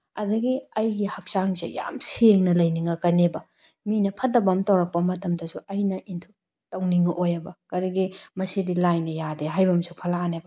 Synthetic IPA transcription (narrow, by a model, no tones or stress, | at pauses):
ɐdɐɡiɐjɡihɐk̚saŋzḛja̰mseŋnɐlɐjniŋɐkɐnebɐ | minɐpʰɐtɐbɐmtɐwɾɐk̚pɐmɐtɐmdɐsuʔɐjnɐʔintʰu | tɐwniŋɐʔojɐbɐkɐɾɐɡimɐsidilajnɐjadeɦajbɐmsukʰɐlaːnebɐ